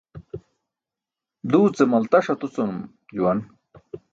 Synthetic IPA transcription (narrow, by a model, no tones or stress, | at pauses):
d̪uːt͡semɐlt̪ɐʂɐt̪ut͡somu | d͡ʑuwɐn